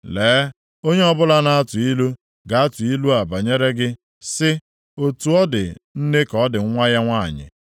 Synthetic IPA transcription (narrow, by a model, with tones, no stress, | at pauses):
leː˨˦ | o˦ɲe˦ɔ˦bʊ˦la˦na˦a˦tʊ˨i˦lu˦ | ɡa˨a˦tʊ˨i˦lu˦a˨ba˨ɲe˦ɾe˦ɡɪ˦ | sɪ˦ | o˨tu˨ɔ˦dɪ̰˨n̩˦ne˦kɔ˦dɪ˨ŋ̩˦ŋʷa˦ja˦ŋʷa̰˦˨ɲɪ̰˨